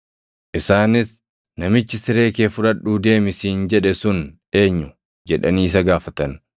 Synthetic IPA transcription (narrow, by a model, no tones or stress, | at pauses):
ʔɪsaːnɪs | nɐmɪt͡ʃːɪsɪɾe̞ːke̞ːfʊᶑɐᶑuːd̪e̞ːmɪsiːnd͡ʒɛᶑɛsʊn | e̞ːɲːʊ | d͡ʒɛᶑɐniːs̬ɐɡaːfɐt̪ɐn